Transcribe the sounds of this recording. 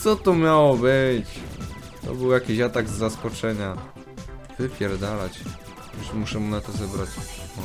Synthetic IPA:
sɔt̪ɔmʲjawɔbɘt͡ɕ | t̪ɔ̰bɘwjakʲiɕat̪aɡzːaskɔt͡ʂɛɲa | vɘpʲjɛɾd̪alat͡ɕ | ɛʐmuʂɛmunat̪ɔzɛbɾat͡ɕ

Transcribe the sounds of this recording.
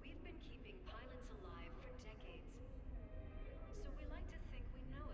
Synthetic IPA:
wivbɨ̃nkʰipɪ̃ŋpʰaɪlˠɨtsəlaɪv̥fə˞dɛkeɪdz̥ | soʊwilaɪk̚tʰɨθɪ̃ŋkʰwinoʊ

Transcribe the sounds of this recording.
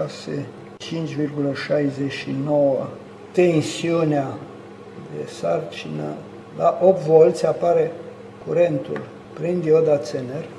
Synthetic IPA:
ʃasḛ | t͡ʃint͡ʃʲvirɡuləʃajzeʃinowə | t̪e̞nsiunea | d̪ḛsart͡ʃinə̰ | laʔo̞p̚t̪vo̞lt̪sʲapaɾe̞ | kuɾe̞nt̪ṵl | pɾind̪iod̪at̪sener

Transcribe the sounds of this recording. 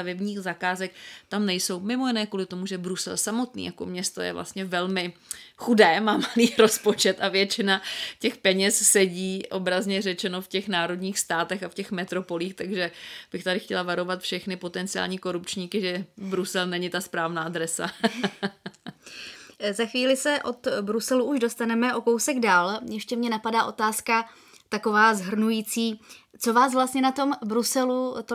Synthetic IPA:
t̪avɛbɲiːxzakaːzɛk̚t̪amnɛjso̞wmɪmo̞jɪnɛːkuːlɪt̪o̞muʒɛbɾusɛ̰lsamo̞t̪nḭːjako̞̰mɲɛst̪o̰jɛ̰vlʔa̰st̪ɲɛvɛlmɪxudɛːmaːmaliːɾo̞spo̞t͡ʃɛt̪ʔavjɛt͡ʃɪnacɛxpɛɲɛssɛɟiːʔo̞bɾazɲɛrɛt͡ʃɛno̞fcɛxnaːɾo̞dɲiːxst̪aːt̪ɛxafcɛxmɛt̪ɾo̞po̞liːxt̪aɡʒɛb̥ɪxt̪adɪxcɛlavaɾo̞vat̪fʃɛxnɪpo̞t̪ɛnt͡sɪa̰ːlɲiːko̞ɾupt͡ʃɲiːkɪʒɛbɾusɛlnɛɲɪt̪aspɾaːvnaːd̪ɾɛsa̰ | zaxviːlɪsɛʔo̞t̪bɾusɛluʔuʒdo̞st̪anɛmɛʔo̞kowsɛɡdaːljɛʃcɛmɲɛnapadaːʔo̞t̪aːska | t̪ako̞vaːzɦr̩nujiːt͡siːt͡so̞vaːsvlast̪ɲɛnat̪o̞mbɾusɛlut̪

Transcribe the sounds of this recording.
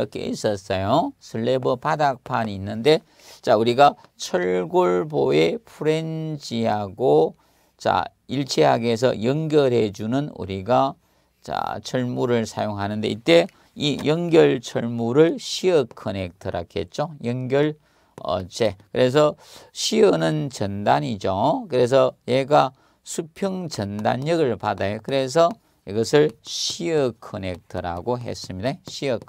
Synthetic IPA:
ʌkʰe̞̰ḭs͈ʌs͈ʌjosʰɯɭːebʌpadak̚pʰaniːnːɯnde̞ | t͡ɕauɾiɡa | t͡ɕʰʌɭɡoɭboe̞pʰuɾe̞nd͡ʑiɦaɡo | t͡ɕa̰ | iɭt͡ɕʰeɦa̰ɡes̬ʰʌ̰jʌŋɡjʌɾɦe̞d͡ʑunɯnṵɾiɡa | t͡ɕa̰t͡ɕʰʌɭmuɾɯɭsʰajoŋɦanɯnde̞̰it͈ːe̞ | ijʌŋɡjʌɭt͡ɕʰʌɭmuɾɯɭɕʰiʌkʰːʌnek̚tʰʌɾa̰kʰet̚t͡ɕ͈ojʌŋɡjʌɭ | ʌ̰t͡ɕʰekɯɾe̞s̬ʰʌ | ɕʰiʌnɯnt͡ɕʌndaɲid͡ʑokɯɾe̞s̬ʰʌjeɡa | sʰupʰjʌŋt͡ɕʌnda̰ɲːʌɡɯɭpadajokɯɾe̞s̬ʰʌ | iɡʌsʰɯɭɕʰiʌkʰːʌne̞k̚tʰʌɾa̰ɡoɦe̞̰s͈ɯmɲidaɕʰiʌ

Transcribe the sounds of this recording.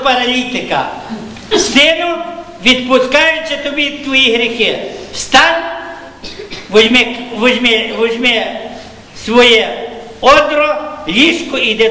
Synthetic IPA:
pɐɾɐlʲit̪ɪkɐ̰ | sɪnʊ | ʋʲid̪pʊskɑjʊt͡ʃɛt̪ɔbʲit̪ʋɔjiɦɾʲixɪst̪ɑn | ʋʊzʲmɛʋʊzʲmɛʋʊzʲmɛ | sʋɔjɛ | ɔd̪ɾɔlʲiʃkʊid̪ɛ

